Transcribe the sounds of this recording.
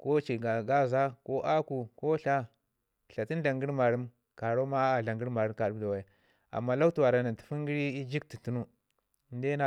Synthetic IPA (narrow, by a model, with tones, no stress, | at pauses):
ko˦t͡ʃi˨ɡa˨ɡa˦za˦ko˦ʔa˦ku˨ko˦ɬa˦˨ | ɬa˨ti˦n˦ɮa˨ŋɡi˦ɾma˨ɾu˦m | ka˨ɾo˦ma˦a˨ɮa˨ŋɡi˦ɾma˨ɾu˦mka˨ɾu˦da˨wa˨˦ | a̰˨mːa˦la˦u˦tu˨wa˨ɾa˨na˨nti˨fu˦ŋɡi˦ɾi˦i˦d͡ʒi˦k̚ti˨tu˦nu˦ | nde˦na˦˨